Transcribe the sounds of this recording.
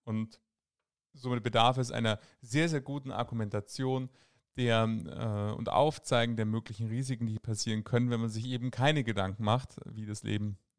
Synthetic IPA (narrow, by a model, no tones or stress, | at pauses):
ʔʊnt | zoːmɪt̚b̥ədaɐfɛs̬ʔa̰ɪnɐ | zeːɐzeːɐɡuːtn̩ʔa̰ɐɡumɛntat͡sjoːn | d̥eːɐɛ̰ʊ̰ntʔa̰ʊft͡saɪɡŋ̩deːɐmøːklɪçn̩ʁiːzɪkŋ̩diːpʰasiːʁ̞ənkʰœnənvɛnmanzɪçʔeːbm̩kʰaɪnəɡədaŋkŋ̩maχtviːdaslʔḛːbm̩